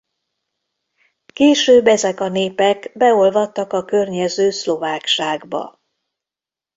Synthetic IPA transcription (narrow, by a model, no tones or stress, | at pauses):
keːʃøːbːɛzɛkɒneːpɛkbɛo̞lvɒt̪ːɒkɒkørɲɛzøːslo̞vaːkʃaːɡbɒ̰